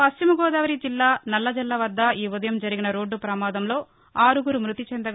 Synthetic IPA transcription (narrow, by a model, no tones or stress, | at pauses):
pɐst͡ʃimɐɡɔːd̪aːʋɐɾid͡ʒilːaːnɐlːɐd͡ʒɛlːɐʋɐd̪ːɐʔiːʋud̪ɐjɐmd͡ʒɐɾiɡinɐɾo̞ːɖːupɾɐmaːd̪ɐmlo̞ː | aːɾuɡuɾumɾut̪it͡ʃɛnd̪ɐ